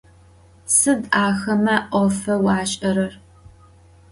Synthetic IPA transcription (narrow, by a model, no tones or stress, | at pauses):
sɨdʔaːxɐmɐʔʷɔfɐwɑːɕʼɐɾɐr